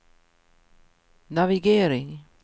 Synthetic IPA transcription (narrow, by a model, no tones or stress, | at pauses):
naviɡeːɾɪŋ